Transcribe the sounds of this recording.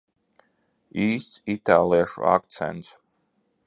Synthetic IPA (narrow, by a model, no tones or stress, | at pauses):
iːst̪sit̪ʰalˠiaʃṵa̰kt̪sʰɛ̰̃nt̪s